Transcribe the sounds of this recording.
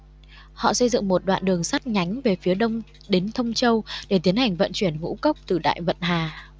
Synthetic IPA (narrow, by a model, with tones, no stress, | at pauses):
hɔ̰˧˨sə˧jzɨ̰˧˨ŋmo˨˩t̚ɗwa̰ː˧˨nɗɨ˨˩əŋsa˦˥t̚ɲa˨˦jŋ̟ve˨˩fi˨˦əɗə˧wŋ͡m | ɗe˨˦nt̪ʰə˧wŋ͡mt͡ɕə˧wɗe˧˩t̪i˨˦ənha˨˩jŋ̟və̰˧˨nt͡ɕwi˧˩ənŋṵ˧˥kə˦˥wk͡p̚t̪ɨ˨˩ɗa̰ː˧˨jvə̰˧˨nɦaː˨˩